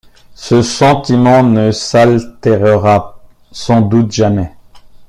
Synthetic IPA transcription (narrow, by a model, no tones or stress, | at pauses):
səsɑ̃t̪imɑ̃nəsalt̪ɛʁəʁa | sɑ̃d̪ut̪ʒamɛ